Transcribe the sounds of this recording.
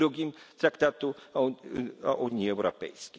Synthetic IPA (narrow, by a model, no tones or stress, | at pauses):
ɾuɡʲim | t̪ɾakt̪at̪u | aʔuɲiɛwɾɔpɛ̰jskʲi